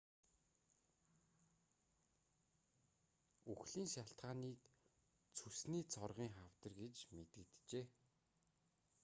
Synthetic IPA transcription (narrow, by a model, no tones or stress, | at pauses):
uxɮiːnʃaɬt̪ɢaːniːk | t͡sʰɵsniːt͡sʰɔrʁiːŋχaw̥t̪ə̆rɡet͡ɕmet̪ɘ̆kt̪t͡ɕeː